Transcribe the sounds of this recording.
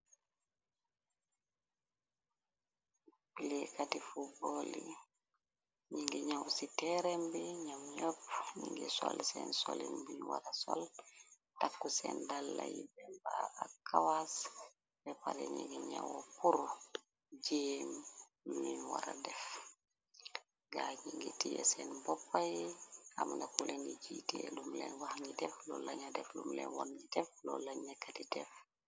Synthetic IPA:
pilɛkatifuboli | ɲiŋɡiɲawsitɛɾɛmbiɲamɲɔpɲiŋɡisɔlsɛnsolinbinwa̰ɾasɔl | takːusɛndalːajibɛmbaakːawas | bɛpaɾeɲiɡiɲawopuɾu | d͡ʒin | muinwaɾadɛf | ɡaɲiŋɡitijɛsɛnbɔpːajamndakulenid͡ʒitiɛlumlɛ̰nwahɲidɛflolaɲadɛflumlɛ̰nwɔnɲidɛflɔlaɲakːatidɛf

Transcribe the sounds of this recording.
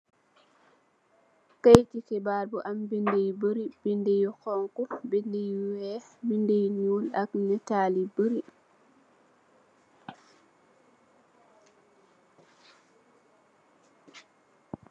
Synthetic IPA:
kajtikɛbaɾbɔʔambindejbəɾibindejɔkɔŋkubindejuuwɛbindejnulaknɛtalibəɾi

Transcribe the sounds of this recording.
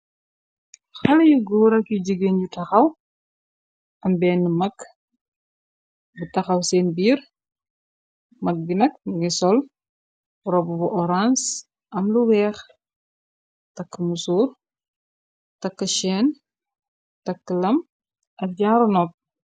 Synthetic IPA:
xɐlɐjuɡuːɾɐkiɟəɡenɟutɐxɐw | ɐmbɛːnmɐk | butɐxɐwsɛːnbiːɾ | mɐk̚binɐk̚ɡisɔl | ɾɔbubuʔɔɾans | ʔɐmluwɛːx | tɐkːəmusuːr | tɐkːəʃɛːn | tɐkːəlɐm | ʔɐk̚ɟaːɾɔnɔp̚

